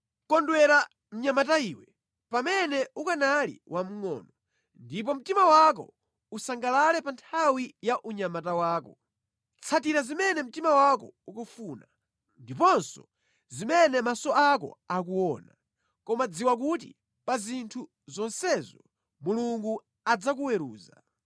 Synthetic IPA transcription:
kɔndwɛɾa | m̩ɲamataiːwɛ | pamɛnɛukanalḭwam̩ŋɔ̰ːnɔ | ndip̬ɔm̩timawak̬ɔ̰ | usaŋɡalalɛpantʰawijaʔuɲamatawaːkɔ | t͡sʰatiɾazimɛnɛm̩timawakɔ̰ukɔfuːna | ndipɔnsɔ̰ | zimɛnɛmasɔʔakɔ̰ak̬uwɔna | kɔmad͡ziwak̬ut̬ḭ | pazintʰu | zɔnsɛzɔ | muluŋɡu | ad͡zak̬uwɛɾṵːza

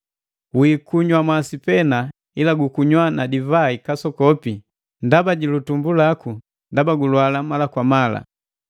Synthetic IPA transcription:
wikuɲwamasipɛna | ilaɡukuɲwanadivaikasɔkɔpi | ndabaɟilutumbulaku | ndabaɡulwalamalakwamala̰

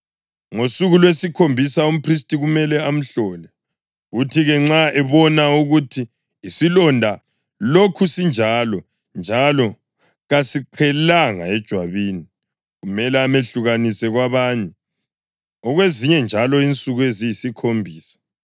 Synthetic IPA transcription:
ŋosuɣulwesikʰombʱisaum̩pʰris̬tʼiɣumɛlɛam̩ɬɔlɛ | ɣutʰiɣɛŋ͡ǁaɛβɔnauɣutʰiː | silɔndʱa | lokʰusind͡ʒʱalɔ | nd͡ʒʱalɔ | ɣasiǃʰɛlaŋa̰ɛd̥ʒ̥ʱwaβiːni | ɣumɛlɛameɬuɣanisɛɣwaβaɲɛ | ɔɣweziɲɛnd͡ʒʱalɔint͡sʼuɣuezijisikʰombʱiːsḁ

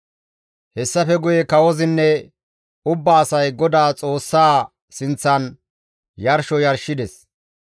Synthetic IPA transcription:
hɛsːɐfɛɡʊjɛkɐwɔzɪnːɛ | ʊbːaːsɐjɡɔd̪aːt͡sʼo̞ːsːaː | sɪnt͡sːɐn | jɐɾʃɔjɐɾʃɪd̪ɛs

